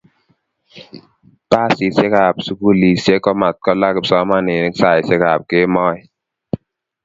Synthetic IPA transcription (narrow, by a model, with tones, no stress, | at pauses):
pa˦˨si˨se˦ka˨psu˦ku˦li˨sje˦kɔ˦ma˨t̚kɔ˦la˦kɪ˨psɔ˦ma˦ne˨ni˦ksa˦˨ɪ˨se˦ka˨p̚ke˦mɔ˦ɪ˨